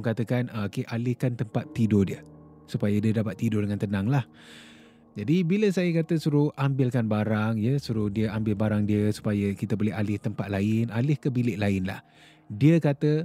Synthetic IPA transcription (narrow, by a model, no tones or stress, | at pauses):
ŋkat̪əkanəkeʔalɪhkant̪əmpat̪ːidodiə | supajədiədapat̪ːidodəŋant̪ənaŋlah | d͡ʒadibiləsajəkat̪əsuɾuʔambɪlkanbaɾaŋjəsuɾuhdiəambɪlbaɾaŋdiəsu̥pajəkit̪əbolɛɦalɪht̪əmpat̪̚laɪnalɪhkəbilɪʔlaɪnla̰h | diəkat̪ə